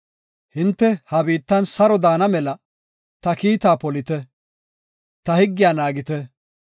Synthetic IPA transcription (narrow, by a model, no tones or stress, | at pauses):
hɪnt̪ːɛhɐbiːt̪ːɐnsɐɾɔd̪aːnɐmɛlɐ | t̪ɐkiːt̪aːpɔlɪt̪ɛ | t̪ɐhɪɡːɪjaːnaːɡɪt̪ɛ